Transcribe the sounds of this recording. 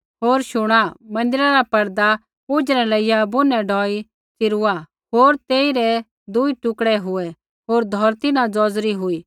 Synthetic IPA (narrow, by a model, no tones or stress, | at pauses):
ɦoːɾʃʊɽ̃amɐ̃nd̪ɪɾaɾapɐɾd̪a | pʊd͡ʒɾɛlɐɪjabʊnːɛɖʱɔːi | t͡sɪɾʊa | ɦoːɾt̪eːiɾɛ | d̪ʊiʈʊkɽɛɦʊɛ | ɦoːɾd̪ʱɔːɾt̪ɪnãd͡zɔːd͡zɾiɦʊiː